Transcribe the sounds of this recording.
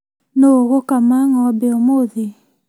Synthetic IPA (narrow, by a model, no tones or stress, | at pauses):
noɣokamaŋɔbeɔmoði